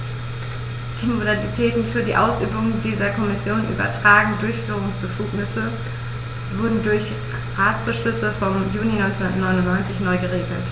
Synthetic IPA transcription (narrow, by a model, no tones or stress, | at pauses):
d̥iːmodalitʰɛːtn̩fyːɐdiːʔaʊsʔyːbʊŋəndiːzɐkʰɔmɪsjoːnʔy̰ːbɐ̰tʁ̥aːɡŋ̩dʊɐçfyːʁ̞ʊŋsb̥əfuːknɪsə | vʊɐdn̩dʊɐç | ʁaːtsb̥əʃlʏsəfɔmjuːninɔɪnt͡sɛnatnɔʏnʊntnɔʏnt͡sɪçnɔʏɡəʁeːɡl̩t